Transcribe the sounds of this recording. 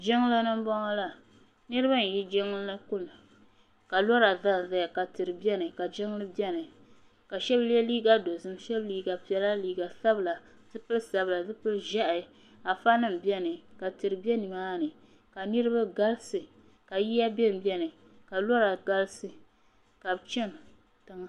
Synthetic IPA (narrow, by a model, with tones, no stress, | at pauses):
d͡ʒɪ˦ŋ˦lɨ˦nɨ˦m˦bɔ˦ŋa˦la˨ | nɨ˦ɾɨ˦ba˦n̩˨ji˦d͡ʒɪ˦ŋ˦llɨ˦kʊ˦lɨ˨ | ka˨lɔ˦ɾa˨da˦n˨ða˨ja˨ka˨tɨ˨ɾɨ˨bɛ˦nɨ˨ka˨d͡ʒɪ˦ŋ˦lɨ˦bjɛ˦nɨ˨ | ka˨ʃɛ˦blɛ˦liː˦ɡa˦do˨zɨ˦mʃɛ˦bliː˦ɡa˨pi˨ɛ˨la˦liː˨ɡa˨sa˦bɨ˨la˨ | dɨ˦pɨ˦lsa˨bla˨dɨ˦pɨ˦lʒa˦ʔa˨ | a˨fa˦nɨ˦m˨bɛ˦nɨ˨ka˨tɨ˨ɾɨ˨bɛ˦ni˨maː˦nɨ˨ | ka˨nɨ˦ɾɨ˦ba˦ɡa˦lsɨ˨ | ka˨ji˦ja˦bɛ˦m˨bʲɛ˦nɨ˨ | ka˨lɔ˦ɾa˨ɡa˦lsɨ˨ | ka˨bt͡ʃɛ˦n˨ | tɨ˦ŋ˦